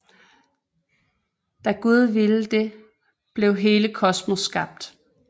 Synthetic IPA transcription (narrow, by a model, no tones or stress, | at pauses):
d̥æɡ̥uð̞ˠʋiləd̥e̝ | b̥le̝ʊɦe̝ːləkʰɒ̽smosːɡ̥ɑ̈b̥̚d̥